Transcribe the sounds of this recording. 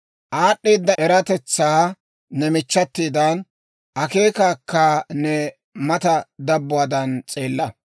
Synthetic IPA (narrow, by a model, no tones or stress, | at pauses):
ʔaːɗːiːd̪ːɐɛɾɐt̪ɛt͡sːaː | nɛmɪt͡ʃːɐt̪ːiːd̪ɐn | ʔɐke̞ːkaːkːɐnɛ | mɐt̪ɐd̪ɐbːʊaːd̪ɐnt͡sʼe̞ːlːɐ